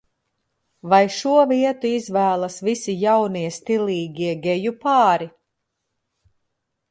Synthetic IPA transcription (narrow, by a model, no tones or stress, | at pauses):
vajʃuɔviɛt̪uizvæːlˠasvisijawniɛst̪ilˠiːɡʲiɛɡʲɛjupɑːɾi